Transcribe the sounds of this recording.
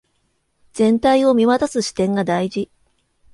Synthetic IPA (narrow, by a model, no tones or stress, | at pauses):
z̥ẽ̞nt̪aio̞mʲiβat̪asɨɕi̥t̪ẽ̞ŋɡad̪aiʑi